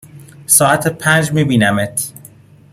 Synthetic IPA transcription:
sɒːæt̪ʰepʰænd͡ʒmiːbiːnæmet̪ʰ

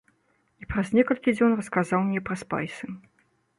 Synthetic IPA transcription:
ipɾɐznʲɛkɐlʲkʲid͡zʲɔnrɐskazawmnʲɛpɾɐspa̰jsɨ

